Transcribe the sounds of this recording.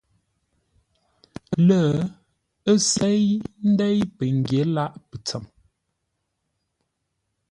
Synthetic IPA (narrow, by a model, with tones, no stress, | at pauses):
lə˦˨ | ə˦sɛ˦jn̩˦dɛ˦jpə˨ŋ˨ɡje˨˦la˦ʔpə˨t͡sə˨m